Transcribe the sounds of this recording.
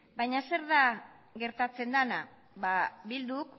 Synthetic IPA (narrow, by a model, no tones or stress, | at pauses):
bajɲase̞ɾða | ɣe̞ɾt̪at͡se̞nd̪ana | βaβild̪uk